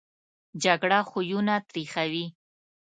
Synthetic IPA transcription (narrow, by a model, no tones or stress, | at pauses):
d͡ʒaɡɽaxujunat̪ɾixawi